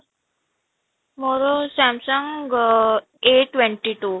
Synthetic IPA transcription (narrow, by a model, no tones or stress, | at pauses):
moɾosæmsəŋɡ | eʈʋeɳʈiʈu